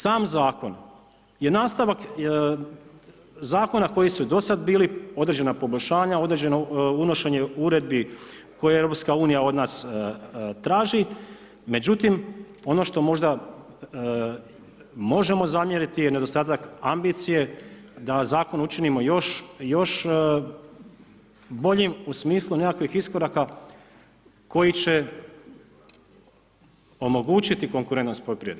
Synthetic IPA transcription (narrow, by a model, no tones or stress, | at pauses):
saːmzaːko̞n | je̞naːst̪aʋak | zaːko̞nako̞jisud̪o̞sad̪biːlio̞d̪ɾed͡ʑenapo̞bo̞ʎʲʃaːɲao̞d̪ɾe̞d͡ʑe̞nouno̞ʃe̞ɲe̞uɾe̞d̪̚biko̞jeevɾo̞pskauːnijao̞d̪naːs | t̪ɾaːʒi | me̞d͡ʑut̪im | o̞no̞ʃt̪o̞mo̞ʒd̪a | mo̞ʒe̞mo̞zamjeɾit̪ijene̞d̪o̞st̪aːt̪akambit̪sije̞ | d̪azaːko̞nut͡ʃinimo̞joʃjo̞ʃ | bo̞ʎimusmiːslˠune̞kakʋixisko̞ɾaka | ko̞jit͡ɕe̞ | o̞mo̞ɡuːt͡ɕit̪iko̞ŋkuɾent̪nospopɾied̪